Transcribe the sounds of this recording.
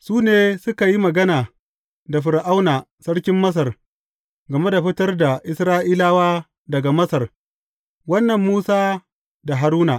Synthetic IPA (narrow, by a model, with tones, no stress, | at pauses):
suː˦neː˦sʊ˦ka˨ji˦mɐ˨ɡɐ˦naː˨ | da˨ɸɪ˨ɾʔa˦wnaː˨ | sɐ˦ɽkʲɪ˦mːɐ˦s̬ɐ˨r | ɡɐ˨me˦da˨ɸɪ˦tɐ˦rda˨ʔɪ˦sɾaː˦ʔiː˦laː˦waː˦ | dɐ˨ɡa˨mɐ˦sɐ˨r | wɐ˦nːɐ˨mːuː˦saː˦ | da˨ɦa˨ɾuː˦naː˨ʔ